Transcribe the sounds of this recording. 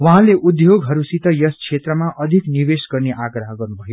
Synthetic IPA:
waɦãleʔud̪joɡɦʌɾusit̪ʌjʌskʰet̪rʌmaʔʌd̪ʱiknibesɡʌrneʔaɡɾʌɦʌɡʌrnubʱʌjo

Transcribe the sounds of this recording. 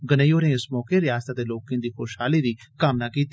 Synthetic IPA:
ɡənəioːɾẽːɪsmɔːkeɾɪjaːst̪aːt̪eːloːkẽːd̪iːxoːʃhaːliːɾiːkəmnaːkiːt̪

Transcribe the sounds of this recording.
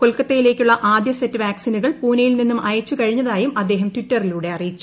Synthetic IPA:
ko̞lkɐt̪ːejile̞ːkʲːuɭːɐʔaːd̪jɐsetːɨʋaːksinuɣɐɭpuːnɐjilninːumɐjɐt͡ɕːukɐɻiɲːɐðaːjumɐd̪ːe̞ːɦɐmtʋitːɐriluːɽe̞ɐrijit͡ɕːu̥

